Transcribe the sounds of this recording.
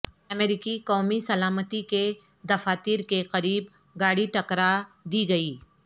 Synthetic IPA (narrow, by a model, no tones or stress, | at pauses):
ɐmeːɾɪkiqɔːmisɐlaːmət̪ike | d̪ɐfaːt̪iːɾkeqɐɾiːb | ɡaːɽiʈɐkɾad̪iːɡɐiː